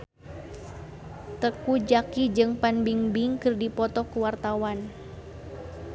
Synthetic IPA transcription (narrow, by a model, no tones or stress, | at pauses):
t̪əkud͡ʒakid͡ʒɨŋpanbiŋbiŋkɨrdipɔt̪ɔkuwart̪awan